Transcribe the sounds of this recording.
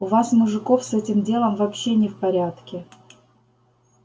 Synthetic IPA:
ʊvasmʊʐɨko̞fsɛtʲɪmdʲelˠəmvɐpɕːe̞nʲɪfpɐɾʲat̪kʲɪ

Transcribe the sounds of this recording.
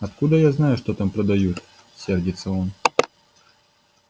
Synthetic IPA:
ɐt̪kud̪əjaznajʊʂt̪ot̪ampɾɐd̪ɐjut̪ | sʲerdʲɪt̪sːəon

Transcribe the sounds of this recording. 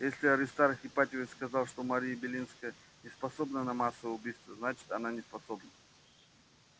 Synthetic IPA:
jesʲlʲɪɐɾʲɪst̪aɾxʲɪpat̪ʲɪvəskɐzalˠʂt̪omɐɾʲijəbʲɪlʲinskəjə | nʲɪspɐso̞bnənɐmasːəvəjʊbʲijst̪vəznat͡ɕɪ̥t̪ɐnanʲɪspɐso̞bnə

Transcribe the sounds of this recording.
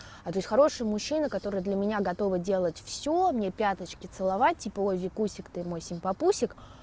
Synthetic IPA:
at̪o̞sʲtʲxɐɾo̞ʂɨjəmʊɕːinəkɐt̪o̞ɾɨjəd̪lʲəmʲɪnʲaɡɐt̪o̞vədʲe̞lˠətʲfsʲomnʲepʲat̪ət͡ɕkʲɪt̪sɨlˠɐvat̚ʲtʲːipəojvʲɪkusʲɪkt̪ɨmojsʲɪnʲpɐpusʲɪk

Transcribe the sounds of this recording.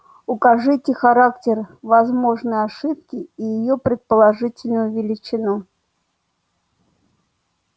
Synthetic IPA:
ʊkɐʐɨtʲɪxɐɾaktʲɪrvɐzmo̞ʐnɨjəɐʂɨp̚kʲɪijɪjopɾʲɪt̪̚pəlˠɐʐɨtʲɪlʲnəʊvʲɪlʲɪt͡ɕɪnɔ

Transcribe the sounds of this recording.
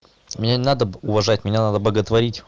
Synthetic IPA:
mʲɪnʲanʲɪnad̪əʊvɐʐatʲmʲɪnʲanad̪əbləɡət̪vɐɾʲitʲ

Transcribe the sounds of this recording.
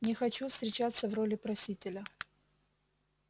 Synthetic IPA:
nʲɪxɐt͡ɕufst̪ɾʲɪt͡ɕat̪sːəvrolʲɪpɾɐsʲitʲɪlʲə

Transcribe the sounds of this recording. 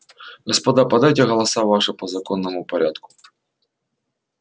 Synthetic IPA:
ɣɐspɐd̪apɐd̪ajt̬ʲɛɣɐlˠɐsavaʂɨpɐzɐkɔnːɐmʊpɐɾʲat̪kʊ̥

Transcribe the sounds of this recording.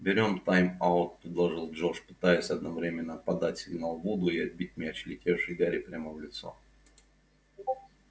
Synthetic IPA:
bʲɪɾʲo̞mt̪ajmaʊt̪̚pɾʲɪd̪lˠɐʐɨlˠʐoʂpɨ̥t̪ajʊsʲɐd̪̚nɐvɾʲemʲɪnːəpɐd̪atʲsʲɪɡnalˠvod̪ʊɪɐd̪̚bʲit̚ʲmʲɪɐt͡ɕɪlʲɪtʲefʂɨjɡaɾʲɪpɾʲaməvlʲɪt̪so̞̰

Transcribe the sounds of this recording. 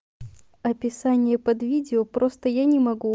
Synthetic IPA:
ɐpʲɪsanʲɪjəpɐd̪vʲidʲɪopɾo̞st̪əjanʲɪmɐɡu

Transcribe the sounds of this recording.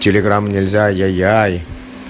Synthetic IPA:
tʲelʲeɡramːnʲelʲzʲajajaj

